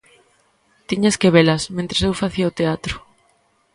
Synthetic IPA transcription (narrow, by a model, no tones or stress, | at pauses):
t̪iɲaskeβelɐsmẽnt̪ɾesewfaθiɐot̪eat̪ɾʊ